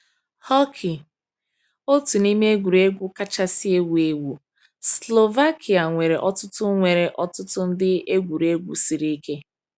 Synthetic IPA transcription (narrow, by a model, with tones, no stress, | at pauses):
hɔ˦kʰi˨ | o˦tu˨ni˦m˦e˦ɡʷu˨ɾe˦ɡʷu˦ka˦t͡ʃa˦si˦e˦wu˨e˦wu˨ | slo˨va˦kʰi˨a˨ŋʷe˨ɾe˨ʔɔ˦tʊ˦tʊ˦ŋʷe˨ɾe˨ʔɔ˦tʊ˦tʊ˦n̩˦dɪ˦e˦ɡʷu˨ɾe˦ɡʷṵ˨si˨ɾi˦i˦ke˦